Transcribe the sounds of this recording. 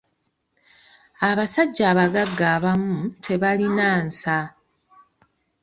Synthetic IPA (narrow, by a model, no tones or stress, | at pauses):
aβasaɟːaːβaɡaɡːaːβamutʰe̞βalinaːnsa